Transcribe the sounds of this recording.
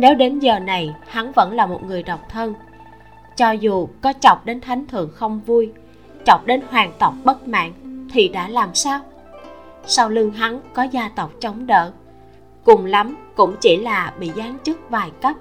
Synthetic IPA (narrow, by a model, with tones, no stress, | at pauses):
ne˨˦wɗe˨˦nzəː˨˩na˨˩jha˨˦ŋvə̰˧˥nlaː˨˩mo˨˩t̚ŋɨ˨˩əjɗə˨˩wk͡p̚t̪ʰə˧n | t͡ɕɔ˧zu˨˩kɔ˨˦t͡ɕɔ˨˩wk͡p̚ɗe˨˦nt̪ʰa˨˦jŋ̟t̪ʰɨ̰˧˨əŋxə˧wŋ͡mvu˧j | t͡ɕɔ˨˩wk͡p̚ɗe˨˦nhwaː˨˩ŋt̪ə˨˩wk͡p̚ɓə˦˥t̚ma̰ː˧˨ŋt̪ʰi˨˩ɗa̰ː˧˥laː˨˩msaː˧w | sa˧wlɨ˧əŋɦa˨˦ŋkɔ˨˦zaː˧t̪ə˨˩wk͡p̚t͡ɕə˨˦wŋ͡mɗə̰ː˧˨ | kʊ˨˩ŋ͡mla˨˦mkʊ̰˧˥ŋ͡mt͡ɕi˧˩laː˨˩ɓḭ˧˨zaː˨˦nt͡ɕɨ˦˥k̚vaː˨˩jka˦˥p̚